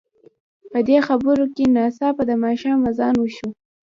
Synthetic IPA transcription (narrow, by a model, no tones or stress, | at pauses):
pəd̪exabəɾokenɑsɑpad̪əmɑʃɑmazɑnwəʃu